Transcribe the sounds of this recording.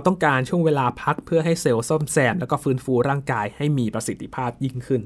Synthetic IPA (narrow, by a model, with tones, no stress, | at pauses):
t̪ɔ˥˩ŋkaː˧nt͡ɕʰu˥˩əŋweː˧laː˧pʰa˦˥k̚pʰɯ˥˩ɐɦa˥˩jse˦˩wso˥˩msɛː˧˩nlɛː˦˥wkɔː˥˩fɯː˨˦˥nfuː˧ɾaː˥˩ŋkaː˧jha˥˩jmiː˧pɾa˧si˨˦t̪ʰːi˧pʰaː˥˩p̚ji˥˩ŋkʰɯ˥˩n